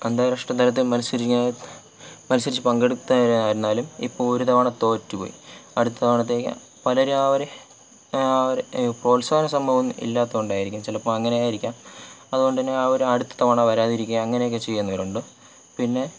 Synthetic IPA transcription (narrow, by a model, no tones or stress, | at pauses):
end̪aːɾɐʂʈɐd̪ɐlɐt̪ːilmɐnɐsɐɾia | mɐnɐs̬ɐɾit͡ɕːɨpɐŋɡe̞ɽuk̪ːuɾaːɾunːaːlumḭpːo̞ːɭoɾud̪ɐʋɐɳɐt̪o̞ːtːupo̰ːjḭɐ̰ɽut̪ːɐt̪ɐʋɳɐt̪̬ːe̞kːɨ̰ | pɐlɐɾuaːʋɐɾe | ɾproːlsaːɐnɐsɐmbʱɐʋumḭlːaːt̪ːɐɣoɳɖaːjiɾikʲːumt͡ɕilɐpːoːɭɐŋːɐnejaːjiɾikʲːaːmɐðuɣo̞ɳɖɨt̪ɐnːeaːoɾuɐɽut̪ːɐ̥t̪ɐʋɐɳɐʋɐɾaːðiɾikʲːujɐɐŋːɐnejok̬ːet͡ɕe̞jːunːɐʋɐɾuɳɖɨ | pinːe̞